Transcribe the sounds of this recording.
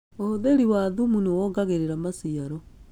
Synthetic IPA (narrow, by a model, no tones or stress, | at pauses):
ooðeɾiwaðumunowɔɡaɣeɾeɾamasiaɾɔ